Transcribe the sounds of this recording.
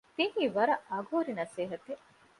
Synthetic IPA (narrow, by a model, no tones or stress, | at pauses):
t̪iɦiːʋɐɾɐʔɐɡʱoːɾinɐseːɦɐt̪e